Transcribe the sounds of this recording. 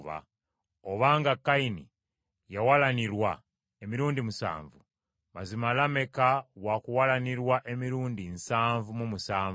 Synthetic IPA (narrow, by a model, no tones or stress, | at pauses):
βa̰ | oβaŋɡakaini | jawalaniɾwa | emiɾuːndimusa̰ːɱvu | mazimalame̞kawakuwalaniɾwaʔemiɾuːndinsaːɱvumumusaːɱv